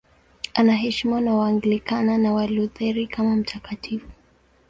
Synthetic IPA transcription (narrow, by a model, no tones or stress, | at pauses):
anaɦɛʃimanawaŋɡilikananawaluðɛɾikamam̩tʰakatʰifu